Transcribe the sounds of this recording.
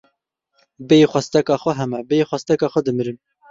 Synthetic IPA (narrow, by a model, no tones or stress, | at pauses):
bejxʷɛst̪ɛkɑːxʷɛɦɛmɛbexʷɛst̪ɛkɑːxʷwɛd̪ɨmɨɾɨm